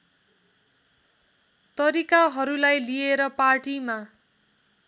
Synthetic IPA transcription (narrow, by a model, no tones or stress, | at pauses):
t̪ʌɾikaɦʌɾulajlijeɾʌparʈima